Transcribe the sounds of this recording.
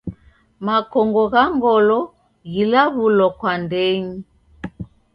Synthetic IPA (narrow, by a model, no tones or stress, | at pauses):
makɔŋɡɔɣaŋɡɔlɔ | ɣilaβulɔkwandɛɲi